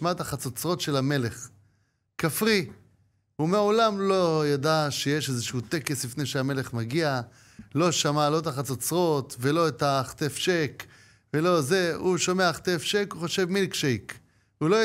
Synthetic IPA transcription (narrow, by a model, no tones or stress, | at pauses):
mat̪aχat͡sot͡sʁo̞t̪ʃe̞lame̞le̞χ | kafʁi | umeaolamlo̞jad̪aʃejeʃezeʃuut̪e̞ke̞slifnejʃeame̞le̞χmaɡia | lo̞ʃamalo̞et̪aχat͡sot͡sʁo̞t̪velo̞et̪aχt̪efʃek | velo̞zeuʃomeaχt̪efʃekuχo̞ʃe̞vmilkʃejk | ulo